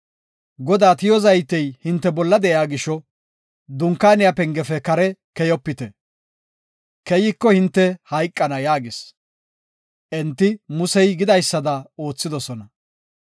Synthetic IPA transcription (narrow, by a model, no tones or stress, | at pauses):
ɡɔd̪aːt̪ɪjɔzɐjt̪ɛjhɪnt̪ːɛbɔlːɐd̪ɛʔjaːɡɪʃɔ | d̪ʊŋkːaːnɪjapɛŋɡɛfɛkɐɾɛkɛjɔpːɪt̪ɛ | kɛjɪkːɔhɪnt̪ːɛhɐjkʼːɐnɐjaːɡɪs | ʔɛnt̪ːɪmʊsɛjɡɪd̪ɐjsːɐd̪ɐo̞ːt͡sːɪd̪ɔsɔnɐ